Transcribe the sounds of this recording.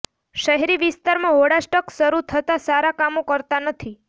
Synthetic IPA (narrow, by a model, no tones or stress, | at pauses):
ʃəɦɛɾiʋist̪aɾmãɦoɽaʃʈəksəɾut̪ʰət̪asaɾakamokəɾt̪anət̪ʰi